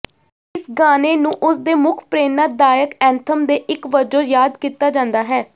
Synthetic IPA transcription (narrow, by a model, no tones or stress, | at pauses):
ɪsɡaːneːnũːʔʊsd̪eːmʊkʰpɾeːnaːd̪aːjəkɛ̃ːnt̪ʰəmd̪eːʔɪkʋəd͡ʒõːjaːd̪kiːt̪aːd͡ʒãːnd̪aːɦɛː